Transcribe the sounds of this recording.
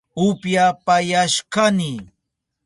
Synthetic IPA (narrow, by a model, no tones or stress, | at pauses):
ʊpjapajaʃkanɪ